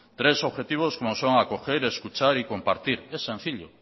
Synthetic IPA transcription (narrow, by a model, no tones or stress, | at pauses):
t̪ɾesoβxet̪iβ̞oskomosoŋakoxeɾeskut͡ʃaɾikompaɾt̪iɾɛsẽn̟θiʎo̰